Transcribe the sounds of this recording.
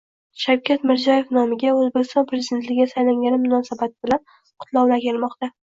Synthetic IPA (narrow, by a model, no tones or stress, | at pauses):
ʃawkʲʰat̪mɪɾzɒje̞fnɒmɪɡʲaɵzbekʲɪst̪ɒnpʰɾezɪd̪ent̪lɪɡʲasajlaŋɡʲanɪmʊnɒsabat̪̚ɪbɪlan | qʰʊt̪lˠawlakʲelmɒqt̪a